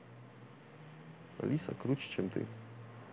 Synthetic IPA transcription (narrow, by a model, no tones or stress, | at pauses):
a̰lʲisa̰kɾut͡ɕi̥t͡ɕɛmt̪ʰɨ̰